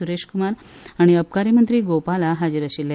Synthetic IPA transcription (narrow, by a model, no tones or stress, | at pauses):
uɾeɕkumaɾ | aɽ̃iəp̚kaɾimənt̪ɾiːɡopalaɦad͡ʑiɾəɕilːe